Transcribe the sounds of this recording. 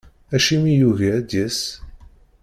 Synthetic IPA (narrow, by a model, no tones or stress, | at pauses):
æʃimijuʝæd̪æs